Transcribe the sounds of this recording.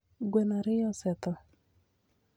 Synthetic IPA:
ɡwɛnaɾɪjɔsɛt̪ɔ

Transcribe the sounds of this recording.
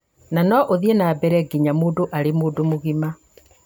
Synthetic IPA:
nanɔʔoðienabɛɾɛɡiɲamoːdoʔaɾemoːdomoɣima

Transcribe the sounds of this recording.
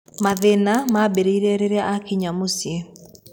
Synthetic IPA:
maðenamabeɾeiɾɛɾeɾeaʔakiɲamosje

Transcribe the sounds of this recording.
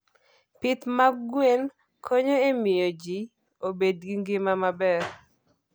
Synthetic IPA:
pɪt̪maɡwen | kʰoɲoemɪjod͡ʒi | obedɡiŋɡɪmamabɛɾ

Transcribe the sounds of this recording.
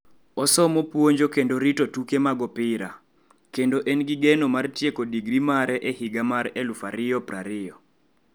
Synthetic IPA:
ɔsɔmopwoɲd͡ʒokendoɾitotukemaɡɔpɪɾa | kendoʔɛnɡɪɡɛnomartjekodiɡɾimaɾɛʔɛhiɡamaɾɛlufaɾɪjɔpɾaɾɪjɔ

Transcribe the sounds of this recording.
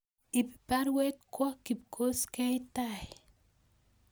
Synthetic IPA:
ippaɾwet̪̚kʷakip̚kʰoskejt̪aj

